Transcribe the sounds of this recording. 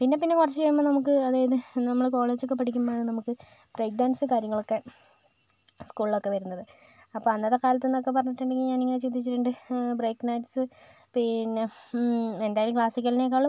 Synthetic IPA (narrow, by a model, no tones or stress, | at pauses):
pinːe̞p̬inːe̞kurɐt͡ɕːɨt͡ɕɐjumːonɐmukːɨɐðaːjɐðɨnɐmːɐɭko̞ːɭe̞ːd͡ʑokːe̞p̬ːɐʈʰikʲːumːaːɳɨnɐmukːɨ | b̥rejk̚ɖaːnsɨkaːɾjɐŋːɐɭo̞kːe̞ | skuːɭilo̞kːe̞ʋɐɾunːɐðɨ | ɐpːoːɐnːɐðːekaːlɐt̪ːenːo̞kːe̞p̬ɐrɐɲːiʈːuɳɖeŋɡiɲaːniŋːɐnet͡ɕend̪it͡ɕːɨʈːuɳɖɨbrejkːnɐjʈsɨ | pinːe | end̪aːjilumkɭaːsikʲːɐlinek̬ːaːɭum